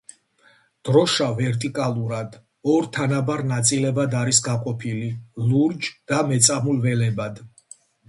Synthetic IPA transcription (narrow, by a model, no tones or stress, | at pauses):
d̪̥ɾɔʃavɛɾt̪ʼikʼalˠuɾad̪ | ɔɾt̪ʰanabaɾnat̪sʼilɛbad̪aɾisɡaqʼɔpʰililuɾd͡ʒd̪̥amɛt̪sʼamulvɛlɛbad̪